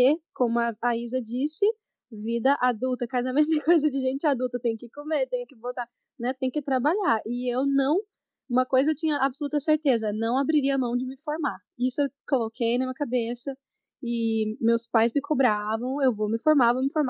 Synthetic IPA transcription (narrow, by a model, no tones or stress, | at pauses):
ekõmʊɐaizɐd͡ʒisɪ | vid̪ɐʔad̪uwt̪ɐkazamẽt̪ʊɪkojzɐd͡ʒɪʒẽt͡ʃɪad̪uwt̪ɐt̪ẽj̃ʊkɪkomet̪ẽj̃ʊkɪvowt̪aɾ | nɛt̪ẽj̃ʊkɪt̪ɾabaʎaɾɪewnɐ̃w̃ | ũmɐkojzɐewt͡ʃĩɲɐʔabsolut̪ɐseɾt̪ezɐnɐ̃w̃abɾiɾiɐamɐ̃w̃d͡ʒɪmɪfoɾma | isʊewkolokʰejnɐ̃mĩɐkabesɐ | ɪmewspajzmɪkʰobɾavɐ̃w̃ewvomɪfoɾmavõw̃mɪfoɾma